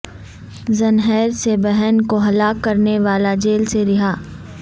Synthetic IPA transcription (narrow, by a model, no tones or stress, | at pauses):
zɐnɦɛːɾsebɛɦɛnkoɦɐlaːkːɐɾneʋaːlad͡ʒeːlseɾɪɦaː